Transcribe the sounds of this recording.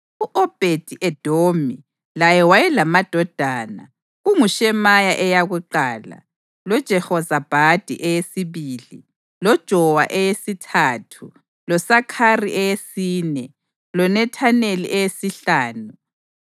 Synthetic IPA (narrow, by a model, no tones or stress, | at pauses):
uʔɔb̥ʱed̥ʱiʔɛd̥ʱomi | lajɛwajɛlamad̥ʱɔd̥ʱaːna̰ | uŋuʃɛmajaʔɛjaɣuǃaːla̰ | lɔd̥ʒ̥ʱɛhɔzab̥ʱad̥ʱḭʔɛjesiβiːlḭ | lɔd̥ʒ̥ʱɔwaʔɛjesitʰaːtʰu | lɔsakʰariʔɛjesiːnɛ | lɔnɛtʰanelḭʔɛjesiɬaːnu